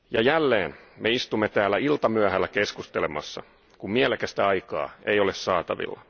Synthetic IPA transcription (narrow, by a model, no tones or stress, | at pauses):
jɑjælːeːnmeist̪umːet̪æːlːˑæilt̪ɑmyæhælːækeskust̪elemɑ̰sːɑ̰ | kummielekæst̪æɑikɑ̰ːejo̞lessɑːt̪ɑʋḭlːɑ